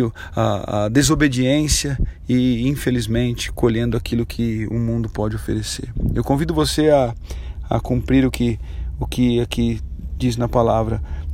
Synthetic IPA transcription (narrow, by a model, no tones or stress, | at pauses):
ʊ | aa̰d̪ezobed͡ʒiẽsjɐ | ɪĩfelizmẽnt͡ʃɪ̥koʎẽnd̪ʊakilʊkʰɪʊ̰mũnd̪ʊpɔd͡ʒɪofḛɾesḛɾewkõvid̪ʊvoseɐɐ̰kũmpɾiɾʊkɪ | ʊkɪakɪd͡ʒiznɐpalavɾɐ